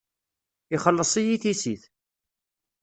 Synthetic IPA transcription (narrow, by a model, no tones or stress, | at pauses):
ɪχəlːəsˤijiθisiθ